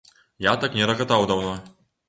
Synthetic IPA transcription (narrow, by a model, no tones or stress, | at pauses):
jat̪aknʲɛɾɐɣat̪awd̪awnɔ